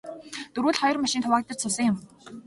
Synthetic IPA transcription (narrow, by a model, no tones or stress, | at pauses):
t̪ɵɾuːɮχɔjɞ̆rmaʃɪnt̪ʰʊwaːk̚t̪ə̆t͡ɕt͡sʰʊsə̆ŋjʊm